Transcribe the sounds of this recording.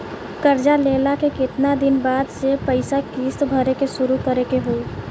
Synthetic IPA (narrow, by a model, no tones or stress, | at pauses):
kəɾd͡ʒaleːlakekɪt̪nad̪ɪnbaːd̪sepəɪsakiːst̪bʱəɾekeʃʊɾukəɾekeɦoi